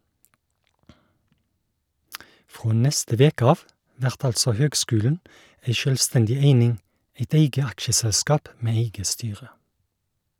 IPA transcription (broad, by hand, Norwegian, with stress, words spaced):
ˈfʁoː ˈnɛstə ˈʋeːkə ˈɑːʋ ˈʋæʁt ˈɑlsɔ ˈhøːɡˌskʉːlən ˈæɪ ˈʃœlʋˌstɛndɪ ˈeɪnɪŋ ˈeɪt ˈeɪɡə ˈɑkʃəˌsɛlskɑːp ˈmeː ˈeɪɡə ˈstyːʁə